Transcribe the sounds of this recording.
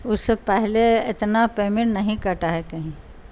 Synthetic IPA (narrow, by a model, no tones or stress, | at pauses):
ʊsːepɛɦleɪt̪napeːmɪ̃ɳnɐɦĩkɐɾʈaɦɛkɐɦĩː